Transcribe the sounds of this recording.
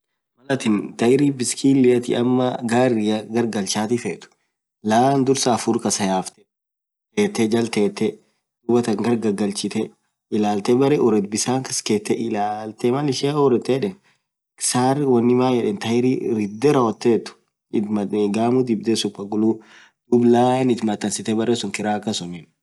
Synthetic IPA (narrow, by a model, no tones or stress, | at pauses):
mɐlɐt̪ɪnt̪ɐjɪɾiːbɪskʰiːlːɪjɐt̪ɪ̰ʔɐ̰mːɐɡaːrːɪjɐɡɐɾɡɐlt͡ʃaːt̪ifeːt̪ʊ̥ | laːnd̪ʊɾsaːfuɾkɐsɐjaːft̪ɛ̥ | eːt̪ːɛd͡ʒɐlt̪eːt̪ːɛ | d̪ubɐt̪ɐŋɡɐɾɡɐɡɐlt͡ʃɪt̪ɛ | ɪlaːlt̪ɛbɐɾɛʔʊɾɛt̪̚bɪsaːŋkɐskeːt̪ːɛʔɪlaːlt̪ɛmɐlɪʃeɔɾɛt̪ːeᶑɛn | ksaːrwɐnːɪmaːjɛᶑɛːnt̪ɐɪɾiɾɪd̪ɛɾɐɔt̪ːeːt̪ːʊ̥ | ɪmɐɡaːmud̪ɪbd̪esʊpːɐɡʊlu | d̪̥ʊblaːnɪt̪mɐt̪ʼːɐnsɪt̪ɛbɐɾesʊŋkɪɾaːkːɐsɔmɛn